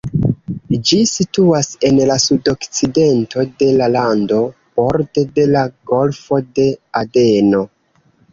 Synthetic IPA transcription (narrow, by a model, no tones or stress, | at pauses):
d͡ʒisituase̞nlasudo̞kt͡side̞ntʰo̞de̞lalando̞ | b̥o̞ɾde̞de̞laɡo̞lfo̞de̞ade̞no̞